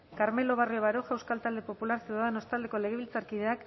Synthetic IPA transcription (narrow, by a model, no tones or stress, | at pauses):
kaɾme̞lo̞β̞arioβaɾoʝewskalt̪ald̪e̞po̞pulaɾsiaðeno̞st̪ald̪e̞ko̞le̞ɣ̞e̞βilt͡saɾkið̞e̞ak